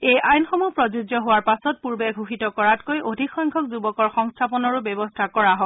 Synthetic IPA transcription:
ejʔajnxɔmupɹɔzuzɔɦowaɹpasɔt̚puɹbɛɡʱuxitɔkɔɹatkojʔodʱikxɔŋkʰɔk̚zubɔkɔɹxɔŋstʰapɔnɔɹʊbɛbɔstʰakɔɹaɦɔ

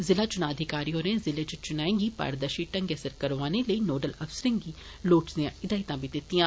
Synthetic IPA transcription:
zɪlat͡ʃʊnãɐd̪ʱɪkaːɾiɦoːɾẽzɪlet͡ʃʊt͡ʃʊnaːẽŋɡipa̰ːɾd̪əʃiʈɐ̃ŋɡɛsəɾkɐɾʋaːneləinoːɖəlɐfsɾɪ̃ŋɡi | loːʈzãɪd̪aːɦɪt̪ãbid̪ɪt̪ːijãː

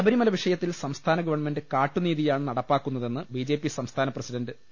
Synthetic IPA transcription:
ɐbɐɾimɐlɐʋiʂɐjɐt̪ːilsɐmst̪ʰaːnɐɡɐʋɐrɳme̞ndɨkaːʈːuniːðijaːɳɨnɐɽɐpːaːkːun̪ːɐðe̞nːɨbiːd͡ʑe̞ːpːisɐmst̪ʰaːnɐprɐsiɖɐndɨ

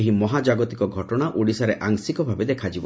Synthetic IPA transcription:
ɦimɔɦad͡ʒaɡɔt̪ikɔɡʱɔʈɔɽ̃aʔʔuɽisaɾeʔaŋsikɔbʱabed̪ekʰad͡ʒibɔ

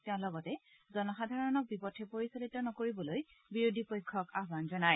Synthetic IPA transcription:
tɛʊ̃lɔɡɔtɛ | zɔnɔxadʱaɹɔnɔk̚bipɔtʰɛpoɹisolitɔnɔkoɹibɔloj | biɹodʱipojkʰːɔkaɦbanzɔnaj

